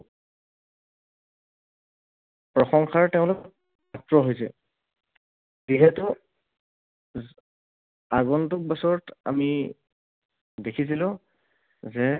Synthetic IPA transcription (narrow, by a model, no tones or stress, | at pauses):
pɹɔxɔŋxʰaɹtɛʊ̃lokɔt̚ | atɹɔɦojsɛ | ziɦɛtʊ | aɡɔntʊk̚bɔsɔɹɔta̰mi | dekʰis̬ilʊ̃ | zɛ